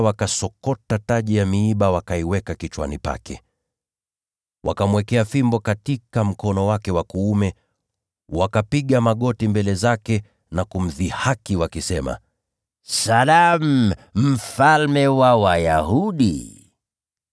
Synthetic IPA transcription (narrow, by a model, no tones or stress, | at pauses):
wakasɔkɔtataʄijamiiɓawakaiwɛkakit͡ʃwa̰nipa̰kɛ̰ | wʔa̰kamwɛkɛafimbɔkatikam̩kɔnɔwakɛwakuumɛ | wakapiɠamaɠɔtimbɛlɛzakɛ | nakum̩ðihakiwakisɛma̰ | salamm̩falmɛwawajahuɗḭ